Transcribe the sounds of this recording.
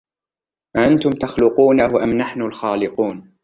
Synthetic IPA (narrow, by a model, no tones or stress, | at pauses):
ʔaʔant̪ʊmt̪axlʊquːnawaʔamnaħnʊlxaːlɪquːn